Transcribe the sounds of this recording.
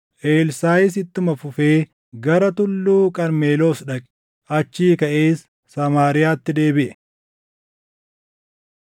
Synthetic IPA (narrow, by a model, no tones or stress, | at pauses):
ʔeːlsaːjɪs̬ɪt̪ːʊmɐfʊfe̞ː | ɡɐɾɐt̪ʊlːuːkʼɐɾme̞ːlo̞ːsᶑɐkʼɪ̥ | ɐt͡ʃːiːkɐʔe̞ːsː | ɐmaːɾɪjaːt̪ːɪd̪e̞ːbɪʔɛ̥